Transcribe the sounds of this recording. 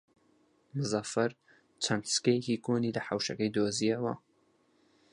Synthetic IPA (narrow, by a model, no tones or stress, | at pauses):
mɨzɑfɐɾ | t͡ʃʰɐnt̪skɐjekikoːnilɐħawʃɐkɐjd̪oːzijɐwɐ